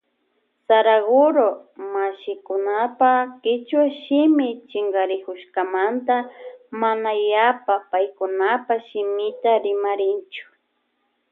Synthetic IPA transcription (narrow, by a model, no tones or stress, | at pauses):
saɾaɣʊɾomaʃɪkʊnapakɪt͡ʃwaʃɪmɪt͡ʃɪŋɡaɾɪkʊʃkamant̪amanajapapajkʊnapaʃɪmɪt̪aɾɪmaɾɪnt͡ʃʊ̥